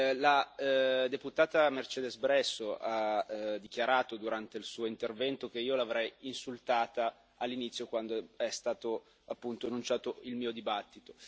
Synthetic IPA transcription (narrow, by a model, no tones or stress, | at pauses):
la | d̪eput̪aːt̪amert͡ʃeːd̪ezbɾɛsːoʔad̪ik̟jaɾaːt̪od̪uɾant̪eilsuːoint̪ervɛnt̪ok̟eiːolavɾɛjinsult̪aːt̪aː | lːinit̪sjokwand̪oɛst̪aːt̪o | apːunt̪oanːunt͡ʃaːt̪oilmiːod̪ibat̪ːit̪o̥